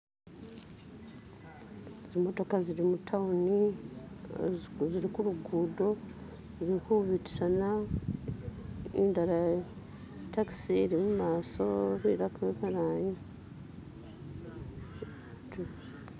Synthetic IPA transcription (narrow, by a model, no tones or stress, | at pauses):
ezimo̞to̞kaziɾimutʰauni | ziɾikuɾuɡuːdo̞ | ziɾikuβiti̥sana | indaɾa | taki̥siɾimumaːso̞βiɾakueβaɾaːɲi | t